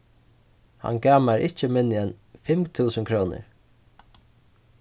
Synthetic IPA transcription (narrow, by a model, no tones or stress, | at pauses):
ha̰nɡaːmaɾʔɪt͡ʃəmɪnːɪɛnfɪmt̪ʰuːsənkʰɾoːwnɪ̰ɾ